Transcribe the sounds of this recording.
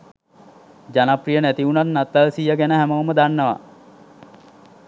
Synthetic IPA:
d͡ʒanaprijənæt̪iunat̪nat̪ːalsijaɡænəɦæməʋəməd̪anːəʋa̰

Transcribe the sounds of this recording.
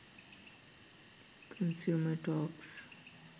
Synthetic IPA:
kʰə̃nsjuːməʈɔːks

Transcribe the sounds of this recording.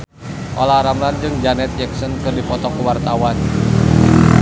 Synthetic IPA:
ʔo̰laɾamland͡ʒɨŋd͡ʒanɛt̪̚d͡ʒɛk̚sɔnkɨrdipɔt̪ɔkəwart̪awan

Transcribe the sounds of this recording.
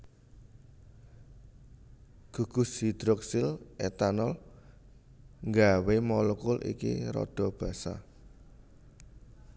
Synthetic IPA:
ɡ̥ṳɡ̥ṳsid̪̥ɾɔksɪlɛt̪anɔl | ŋɡawemɔlɔkʊlʔḭkḭɾɔ̰d̥ɔ̤b̥ä̤sa̰

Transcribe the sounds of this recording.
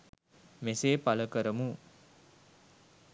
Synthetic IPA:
meseːpaləkəɾəmu

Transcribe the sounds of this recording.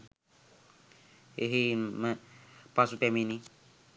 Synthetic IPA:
eɦempasupɛmini

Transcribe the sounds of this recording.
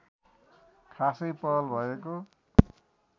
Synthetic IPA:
kʰasʌjpʌʌlbʱʌeko

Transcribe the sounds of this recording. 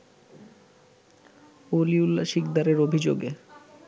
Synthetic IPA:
oliulaʃikd̪aɾeɾobʱid͡ʑo̰ɡe

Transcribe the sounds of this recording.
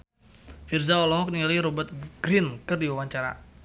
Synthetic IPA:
firzaɔlɔŋɔk̚niŋaliɾɔbat̪̚ɡ̥ɾɪnkɨrdiwawaɲt͡ʃaɾa̰

